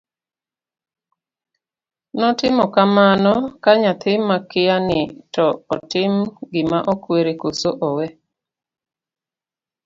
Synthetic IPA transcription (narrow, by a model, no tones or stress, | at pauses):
nɔtɪmɔkamanɔkaɲat̪ɪmakɪjanɪtɔɔtɪmɡɪmaʔɔkweɾekosoʔɔwɛ